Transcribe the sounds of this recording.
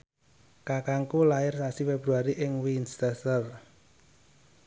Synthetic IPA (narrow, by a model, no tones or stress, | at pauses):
kakaŋkulaɪrsasifɛb̥ɾuaɾiʔɪŋwinst̪ɛsər